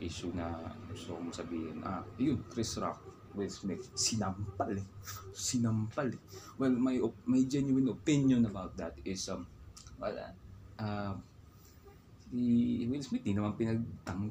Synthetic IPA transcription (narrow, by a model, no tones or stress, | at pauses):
ʔiːsʊnɐ̰usokosɐbiːhɪ̰nʔa̰jʊnkɾɪsɹa̰k̚ | wɪlsmɪt̪̚sɪnampalɛsɪnɐmpɐlɛwɛlmɐjomɐjd͡ʒɛnjʊwɐnopɪnjonɐbawt̪̚d̪ɐt̪ɪsɐmwɐ̰la̰ʔa | iwɪlsmɪt̪̚d̪inɐmanpɪnɐɡ̚t̪ɐŋɡ